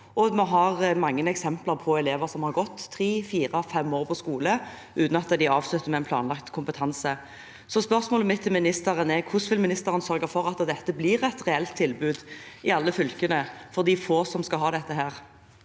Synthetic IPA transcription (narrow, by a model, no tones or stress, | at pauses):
ɔmɔɦɑʁmɑŋːənɛksɛmplɑʁpʰɔɛleːʋəʁsɔmhɑɾɡɔt̪ʰːɾiːfiːɾɑfɛmːoːʁpʰɔskuːlə | ʉːt̪nɑt̪ːəd̪ɪɑːʋslʉt̪ːəmɛɛɪnplɑ̰ːnlɑkt̪kʰʊmpət̪ʰɑnsə | sɔspœɾsmoːləmɪt̪ʰːɪlmɪnɪst̪əʁənɛkʰʊsʋɪlmɪnɪst̪əɾənsœɾɡəɾfɔʁɑt̪d̪ɛt̪ːəblɪɾɛt̪ʁɛɛlt̪ʰːɪlbʉːd̪ɪɑlːəfʏlkənəfɔʁd̪ifoːsɔmskɑɦɑːd̪ɛt̪ːəɦæːʁ